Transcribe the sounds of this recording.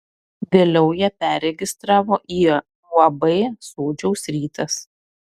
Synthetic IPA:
ʋʲeːlʲɛʊjipʲæɾʲɛɡʲɪst̪ɾɑːʋoːʔiː | lˠɐbɐɪsoːd͡ʒʲɛʊsɾʲiːt̪ɐs

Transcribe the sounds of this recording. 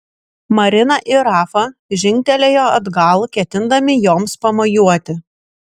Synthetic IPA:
mɐɾʲɪnɐʔɪɾɑːfɐʒʲɪŋʲkʲt̪ʲɛlʲeːjoːɐd̪ɡɐlˠkʲɛt̪ʲɪnd̪ɐmʲɪjoːmspɐmɐjuɔt̪ʲɪ

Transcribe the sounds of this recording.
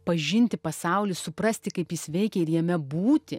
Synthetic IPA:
pɐʒʲɪnʲt̪ʲɪpɐsɐʊlʲɪssʊpɾɐsʲt̪ʲɪkɐɪpjɪsʋʲɛɪkʲɛɪɾjɛmʲɛbuːt̪ʲɪ

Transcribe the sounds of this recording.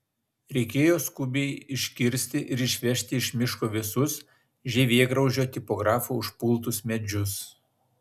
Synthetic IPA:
ɾʲɛɪkʲeːjoːskʊbʲɛɪɪʃʲkʲɪɾʲsʲt̪ʲɪʔɪɾɪʃʲʋʲɛʃʲt̪ʲɪɪʃʲmʲɪʃkoːʋʲɪsʊs | ʒʲɛʋʲiɛɡɾɒʊʒʲoːt̪ʲɪpɔɡɾɑːfuʊʃpʊlˠˑt̪ʊsmʲɛd͡ʒʲʊs

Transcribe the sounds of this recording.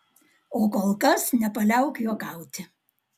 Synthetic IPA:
oːkolˠkɐsnʲɛpɐlʲɛˑʊkjoːɡɑˑʊt̪ʲɪ

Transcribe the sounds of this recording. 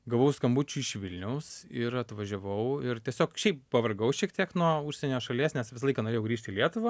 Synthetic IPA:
ɡɐʋoʊskɐmbuːt͡ʃʲuɪʃʋʲɪlʲnʲɛʊsɪɾɐt̪ʋɐʒʲɛʋɐʊɪrt̪ʲiɛsʲoːkʃʲɛɪp̚pɐʋɐrɡɐʊʃʲiɛk̚t̪ʲiɛknuɔuʃʲsʲɛnʲoːʃɐlʲiɛsnʲɛsʋʲɪsɐlˠɐɪkɐnoɾʲeːjɛʊɡɾʲiːʃʲt̪iːlʲiɛt̪ʊʋɐ

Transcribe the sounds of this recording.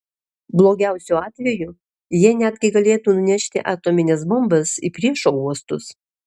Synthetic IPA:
blˠoːɡʲæˑʊsʲʊɑːt̪ʲʋʲɛjʊ | jiɛnʲæd̪ʲɡʲɪɡɐlʲeːt̪uːnʊnʲæʃʲt̪ʲɪʔɑːt̪oːmʲɪnʲɛsbɔmbɐsḭpʲɾʲiɛʃoːuɔst̪ʊs

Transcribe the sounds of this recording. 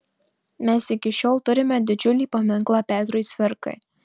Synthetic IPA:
mʲɛsɪkʲɪʃʲoːlˠt̪ʊɾʲɪmʲɛd̪ʲɪd͡ʒʲʊlʲiːpɐmʲɪŋklˠɑpʲæːt̪ɾʊjsʲʋʲɪɾkɐ̰ɪ

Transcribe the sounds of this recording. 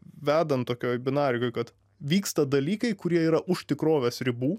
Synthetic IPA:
ʋʲæːd̪ɐnt̪oːkʲoːjbʲɪnɑːɾʲɪkoːɪkɐt̪ | ʋʲiːkst̪ɐd̪ɐlʲiːkɐɪkʊɾʲiɛiːɾɐʔʊʃʲt̪ʲɪkɾoːʋʲeːsɾʲɪbuː

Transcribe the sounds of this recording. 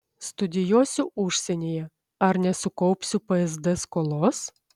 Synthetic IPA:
st̪ʊd̪ʲɪjuɔsʲuʔʊʃʲsʲenʲejɛ | ɐɾnʲɛsʊkɔʊpʲsʲʊpɐɛzd̪ɛskolˠoːs

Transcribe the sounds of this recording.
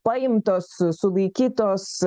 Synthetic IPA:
pajmt̪ɔssulikit̪ɔs

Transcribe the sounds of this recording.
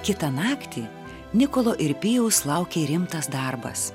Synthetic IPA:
kʲɪt̪ɐnɑːkt̪ʲiː | nʲɪkoːlˠoːʔɪɾʲpʲɪjɛʊslˠɑʊkʲeɾʲɪmt̪ɐsd̪ɑːɾbɐ̰s

